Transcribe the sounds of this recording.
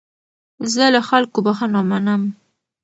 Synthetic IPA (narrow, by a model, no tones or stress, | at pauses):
zəlaxalkobaxanɑmanəm